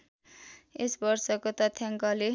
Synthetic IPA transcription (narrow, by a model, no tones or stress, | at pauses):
esbʌrsʌkot̪ʌt̪ʰjaŋkʌle